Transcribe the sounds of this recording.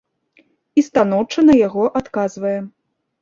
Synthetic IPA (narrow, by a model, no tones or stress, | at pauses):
ist̪an̪ɔwt͡ʂɐnɐjaɣɔʔat̪kazvɐjɛ